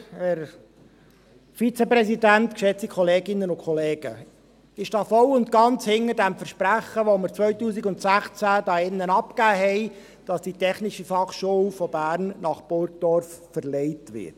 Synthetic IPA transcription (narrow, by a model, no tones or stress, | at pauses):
hɛɾ | fit͡sepɾɛsidæntkʃɛt͡stikʰχɔleːɡɪnːənʊkʰɔleːɡ̥ə | ɪʃd̥ɑːfɔlʊntɡɑnt͡shɪŋəɾdæmfəɾʃpɾæχəʋoməɾt͡sʋœʏtuːsiɡʊntsæχt͡sædɑːɪnːənɑpkæːɦɛɪ | d̥ɑsd̥itʰɛχnɪʃifɑχʃuwfɔbæːɾnnɑχpʊɾk̚d̥ɔɾf | fəɾlɛɪtʋɪ̰ɾt